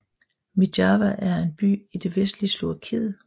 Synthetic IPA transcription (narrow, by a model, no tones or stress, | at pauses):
mid̥ɑʋæʔæɐe̝nb̥y̰ːid̥e̝ʋesd̥lislo̝ɐkʰeðˠ